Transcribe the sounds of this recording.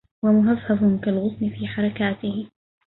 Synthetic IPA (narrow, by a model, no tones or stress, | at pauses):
wamʊɦɑsˤːɑsˤʊnkalɣʊsmɪfiːħɑɾˤɑkaːt̪ɪhɪ